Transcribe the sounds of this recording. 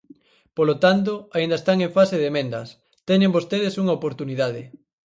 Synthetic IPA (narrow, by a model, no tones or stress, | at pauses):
polot̪ant̪̬oaind̪ɐest̪aŋẽɱfaseðemẽnd̪ɐ̰s | t̪ɛɲẽmbost̪eðesuŋɐopoɾt̪uniðað̞ɪ